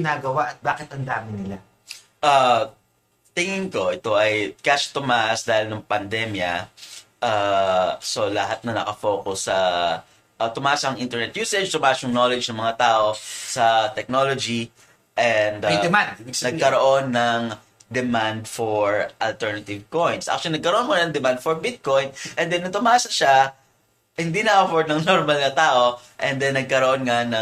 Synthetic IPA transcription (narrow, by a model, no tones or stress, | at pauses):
ɪnaɡɐwaʔɐt̪̚baːkɪt̪ɐnd̪aːmɪnɪla | ʔa | t̪ɪŋɪŋko̞ʔɪt̪o̞ʔɐjkaʃt̪ʊmasd̪aːhɪlnɐŋpɐnd̪ɛmjɐ̰ʔa | so̞lɐɦat̪̚nɐnɐkɐfoːkʊsːɐ | ʔt̪ʊmaːsɐɐŋʔint̪ɛɹnɛt̪juːsɛd͡ʒt̪ʊmaʔsjʊŋno̞lɛd͡ʒnɐŋmɐŋat̪aːʔo̞sɐt̪ɛk̚no̞lod͡ʒi | ʔɛnd̪d̪mand̪nɐɡ̚kɐɾoʔo̞nːɐŋ | d̪ɛmand̪foɹʔɐlt̪ɛɹnɐt̪ɪvkojnsʔa̰k̚t͡ʃʊɐlinɐɡkɐɾoʔonmonnɐŋd̪ɛmand̪̚foɹbɪt̪̚ko̞jnʔɛnd̪ɛnːɐt̪ʊmaːsɐʃa | hɪnd̪inɐʔɐfoɹd̪̚nɐŋnoɾmɐlnɐt̪aːʔo̞ʔɛnd̪ɛnːɐɡ̚kɐɾoʔo̞nŋanɐ